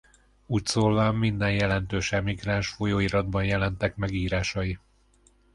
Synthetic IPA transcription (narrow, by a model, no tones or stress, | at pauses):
uːcsoːlvamːind̪ɛnjɛlɛnt̪øːʃɛmiɡraːnʃfo̞joːiɾɒd̪bɒnjɛlɛnt̪ɛkmɛɡiːɾaːʃɒji